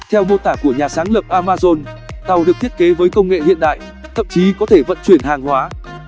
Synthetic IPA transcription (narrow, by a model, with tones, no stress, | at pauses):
t̪ʰɛ˧wɗo˧t̪aː˧˩ku˧˩əɲaː˨˩saː˨˦ŋlə˨˩p̚ʔaː˧maː˧zo˧nt̪a˨˩wɗɨ˨˩k̚t̪ʰi˦˥ət̚ke˨˦vəː˨˦jkə˧wŋ͡mŋḛ˧˨hḭ˧˨ənɗa̰ː˧˨j | t̪ʰə̰˧˨mt͡ɕi˨˦kɔ˨˦t̪ʰe˧˩və̰˧˨nt͡ɕwi˧˩ənhaː˨˩ŋhwaː˨˦